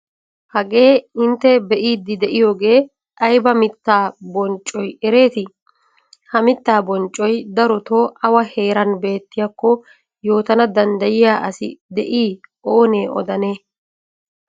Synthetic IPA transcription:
hɐɡe̞ːɪnt̪ːɛbɛʔiːd̪ːɪd̪ɛʔɪjo̞ːɡe̞ː | ʔɐjbɐmɪt̪ːaːbɔnt͡ʃʼɔjɛɾe̞ːt̪ɪ | hɐmɪt̪ːaːbɔnt͡ʃʼːɔjd̪ɐɾɔt̪oʔɐwɐhe̞ːɾɐnbe̞ːt̪ːɪjakːɔ | jo̞ːt̪ɐnɐd̪ɐnd̪ɐjɪjaːʔɐsɪ̰d̪ɛʔiːʔoːne̞ːʔɔ̰d̪ɐneː

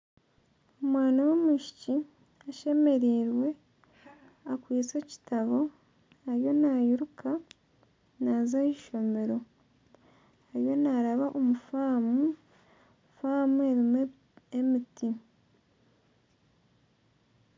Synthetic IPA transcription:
omwaːnawomuʃi̥ci | aʃe̞me̞ɾiːɾwe̞ | akwiːt͡se̞ci̥taβo̞ | aɾjo̞najuɾuka | nazaiʃo̞me̞ɾo̞ | aɾjo̞naɾaβaʔomufaːmu | faːmueɾim | emiti

